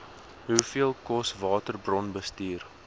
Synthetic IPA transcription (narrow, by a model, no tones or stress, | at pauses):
ɦufiəlˠkɔsvɑːtərbrɔnbəstiːr